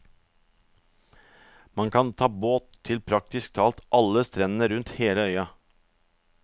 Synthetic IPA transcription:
mɑŋkʰɑnt̪ʰɑːboːt̪ʰːɪlpʰɾɑk̚t̪ɪsk̚t̪ʰɑːlt̪ʔɑləst̪ɾɛnnəɾʉnt̪heːləœʏɑ

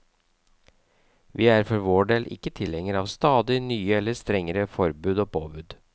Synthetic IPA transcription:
ʋiːæːɾfɔɾʋoːɖeːlʔɪ̰kːət̪ʰɪlhɛŋəɾɑːʋst̪ɑːd̪ɪnyːəɛlːəst̪ɾɛŋəɾəfɔɾbʉːd̪oːpʰo̰ːbʉːd̪

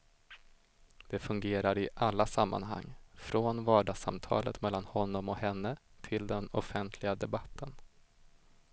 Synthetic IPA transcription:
d̪̥ɛfɵŋɡeːɾaɾɪʔalːasamːa̰nɦa̰ŋːfɾoːnvɑːɖɑːɡsa̰mt̪ʰɑ̰ːlə̰t̪mɛlːanhɔnːɔmɔhɛnːət̪ʰɪld̪ɛnɔfɛnt̪ʰlɪɡad̪ɛbat̪ʰːən

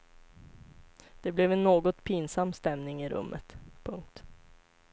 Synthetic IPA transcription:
d̪̥ɛblɛvɛnːoːɡɔt̪pʰinsamːst̪ɛmnɪŋɪɾɵ̰mːʔə̰t̪pʰɵŋk̚t̪

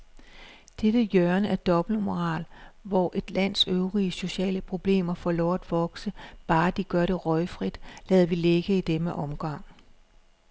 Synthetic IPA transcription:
d̥ed̥əjœɐnəæɐd̥ɒ̽b̥l̩omo̝ʁɑ̰̈ːlʋɒʔe̝d̥læn̰søʊʁiəso̝ɕɛ̰ːləpʰʁo̝b̥le̝̰ːmɐfɒlɒʊ̰æd̥ʋɒ̽ɡ̥səb̥ɑ̈ːd̥iɡ̥ɶɐɾe̝ʁɒ̽ɪfʁid̥lɛːðˠɐʋileɡ̥əid̥emeʔɒ̽mɡ̥ɑŋ̰

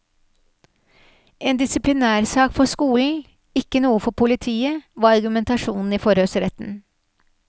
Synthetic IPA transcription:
ʔeːnd̪ɪsɪplɪnæːɾsɑːkfɔskuːln̩ | ɪkːənuːəfɔpʰʊlɪt̪ʰiːəʋɑːɑɾɡʉmɛnt̪ɑʂuːnn̩iːfɔɾøːsəɾɛt̪n̩

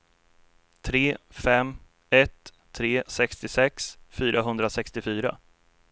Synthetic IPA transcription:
t̪ʰɾeːfɛmː | ɛt̪ʰː | ɾeːsɛkst̪ɪsɛksfyːɾaɦɵnd̪ɾasɛkst̪ɪfyːɾa̰

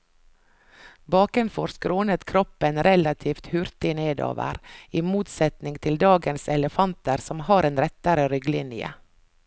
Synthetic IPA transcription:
bɑːkɛnfɔɾskɾoːnət̪kʰɾɔpənɾɛlɑt̪ʰiːft̪hʉɾt̪ɪneːd̪o̰ːʋə̰ɾiːmuːt̪sɛt̪nɪŋt̪ʰɪld̪ɑːɡənsɛləfɑnt̪əɾsɔmhɑːɾeːnɾɛt̪əɾəɾʏɡlɪnjə̰

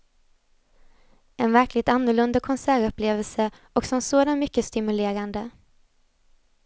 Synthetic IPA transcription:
ɛnvæɾkʰlɪɡ̚t̪anːʊɭɵnd̪akʰɔnsæːɾɵpːleːvəlsə | ʔɔksɔmsoːd̪anmʏkːəst̪ɪmɵleːɾand̪ə

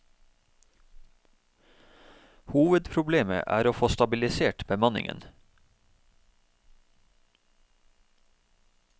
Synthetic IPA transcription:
huːʋəd̪pʰɾʊbleːmə̰ʔæ̰ːɾoːfoːst̪ɑbɪlɪseːʈbəmɑnɪ̰ŋə̰n

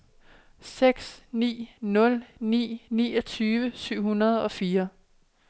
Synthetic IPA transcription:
seɡ̥snḭːnɔ̽lnḭːnḭːɒ̽t͡sʰyːʋəsyʊ̰hunɐð̞ˠɒ̽fiːɐ

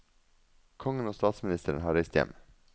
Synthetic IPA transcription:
kʰɔŋənoːst̪ɑːt̪smɪnɪst̪əɾənhɑːɾɛɪst̪jɛ̰m

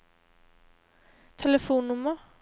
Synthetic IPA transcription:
t̪ʰɛləfuːnːɵmːə

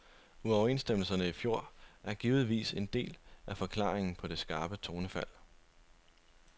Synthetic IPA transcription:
uɒʊe̝̰ːnsd̥eml̩sɐnəifjo̝ɐ̰ʔæɐɡ̥iːʊð̩ˠʋḭːse̝nd̥e̝̰ːlʔæfɒ̽kʰlɑ̰̈ːeŋn̩pʰɒ̽d̥e̝sɡ̥ɑ̈ːb̥ət͡sʰo̝ːnəfæl̰

